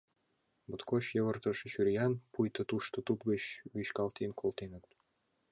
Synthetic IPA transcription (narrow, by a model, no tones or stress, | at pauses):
bɤ̆t̪koɕjɤ̆βɤ̆rt̪ɤ̆ʃɕyrʲjɑnpujt̪ɤ̆t̪uʃt̪ɤ̆t̪upɡə̆ɕwyɕkɑlˠt̪enkʰolt̪enə̆t̪